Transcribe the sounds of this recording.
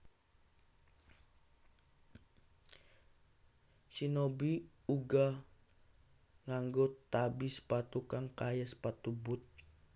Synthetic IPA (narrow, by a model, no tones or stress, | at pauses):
sinobi | uɡa | ŋaŋɡot̪ːabispat̪ukaŋkajaspat̪ubʊt̪̚